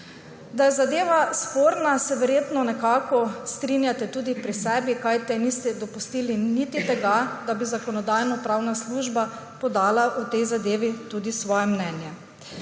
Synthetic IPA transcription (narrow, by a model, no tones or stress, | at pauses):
d̪ajɛzad̪eːʋaspoːɾnasɛʋɛɾjeːt̪nɔnɛkaːkɔst̪ɾinjat̪ɛt̪uːd̪ipɾisɛːbikajt̪ɛnist̪ɛd̪ɔpust̪iːlinit̪it̪ɛɡad̪abizakɔnɔd̪ajnɔpɾawnasluːʒba | pɔd̪aːlaʔut̪ɛjzad̪eːʋit̪ud̪isʋɔːjɛmnɛnjɛ